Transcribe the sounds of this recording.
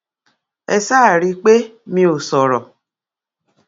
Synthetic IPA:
ɛ˨sa˦˨ɾi˧k͡pe˦mĩ˧˦o˨sɔ˨ɾɔ˨

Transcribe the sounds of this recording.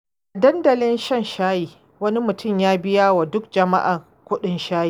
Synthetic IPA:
ʔa˨dɐ˦ndɐ˨lɪ˦nʃɐ˦˨nʃaː˦jiː˨ | wɐ˦ni˦mʊ˨tʊ˦˨mjaː˦bɪ˦jaː˦wa˨dʊ˦k̚d͡ʒɐ˨ma̰˦ʔa˨ | kʷʊ˦ɗɪ˦nʃaː˦jiː˨

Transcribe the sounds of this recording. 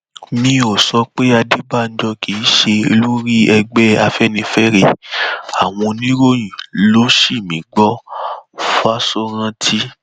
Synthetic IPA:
mĩ˧o˨sɔ˧k͡pe˦a˧di˦ba˦˨n̩˦d͡ʒɔ˧kʰi˨˦ʃe˧e˧lu˦ɾi˦ɛ˧ɡ͡bɛ˦a˧fɛ˦nĩ˧fɛ˦ɾe˧˨a˨w̃ɔ̃˧nĩ˦ɾo˦j̃ĩ˨lo˦ʃi˦˨mĩ˨˦ɡ͡bɔ˦˨ | fa˦so˦ɾã˧tʰi˦

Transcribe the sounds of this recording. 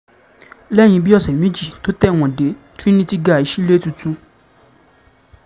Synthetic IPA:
lɛ˦˨j̃ĩ˧bi˦ɔ˦˨sɛ˨mĩ˨˦d͡ʒi˦˨to˨˦tɛ˦˨w̃ɔ̃˨de˨˦ | tɾi˦nĩ˦ti˦ɡa˦˨i˨˧ʃi˦le˦tũ˧tũ˧

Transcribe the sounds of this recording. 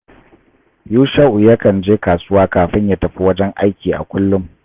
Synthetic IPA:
juː˦ʃa˦ʔu˨ja˦kɐ˨nd͡ʒeː˦kaː˨sʊ˦waː˦kaː˨ɸɪ˦ɲja˦tɐ˨ɸi˦wɐ˦d͡ʒɛ˦ŋʔa˦jkʲiː˨ʔa̰˨kʷʊ˦lːʊ˦m

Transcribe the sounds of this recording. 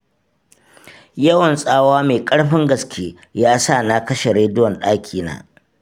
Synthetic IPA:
jɐ˦wɐ˨nsʼaː˦waː˦meː˨kʼɐ˦ɽɸɪ˦ŋɡɐ˨skʲʰeː˦ | jaː˦sa˦˨na˦˨kɐ˦ʃe˨ɽeː˨˦dʊ˦wɔ˨nɗaː˦kʲʰiː˨na̰ː˦

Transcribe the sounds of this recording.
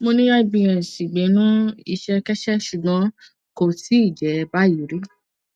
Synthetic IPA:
mo˧nĩ˦ɾa˦i˧bĩ˧ɾ̃ɛ̃˨si˨ɡ͡be˨˦nũ˦i˧ʃɛ˧kɛ˦ʃɛ˦ʃu˧ɡã˨˧˦ | ko˧ti˨˦i˦˨d͡ʒɛ˨˦˧ba˦ji˨˦ɾi˦

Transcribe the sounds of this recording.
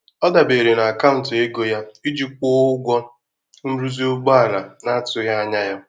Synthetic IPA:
ɔ˦da˨be˨ɾe˨na˨a˨ka˦ʊ˨te˦ɡo˦ja˦i˦d͡ʒi˦k͡pʊː˦ʊ˦ɡʷɔ˦ | n̩˦ɾu˦zi˦ʊ˦ɡ͡ba˦a˨ɾa˨na˦a˦tʊ˨ja˦a˦ɲa˦ja˦

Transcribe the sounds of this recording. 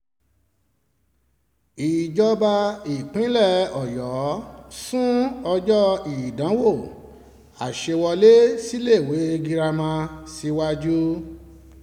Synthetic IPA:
i˨d͡ʒɔ˧ba˧i˨k͡pĩ˨˦lɛ˦˨ɔ˨jɔ˨˦sũ˦ɔ˧d͡ʒɔ˦i˨dã˨˦wo˦˨ | a˨ʃe˧wɔ˧le˦si˦le˦˨we˨˦ɡi˧ɾa˧mã˧si˧˦wa˦d͡ʒu˦

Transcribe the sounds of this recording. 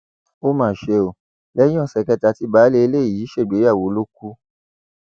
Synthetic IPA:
o˦mãː˦˨ʃe˧o˨ | lɛ˦j̃ɔ̃˦˨sɛ˨kɛ˧ta˧ti˧˦baː˨˦le˧e˧le˦˨ji˨˦ʃe˦˨ɡ͡be˨˦a˦˨wo˨˦lo˦ku˦

